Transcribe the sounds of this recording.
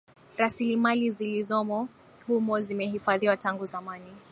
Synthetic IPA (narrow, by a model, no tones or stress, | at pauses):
ɾasilimalizilizɔmɔ | humɔzimɛɦifaðiwataŋɡuzamani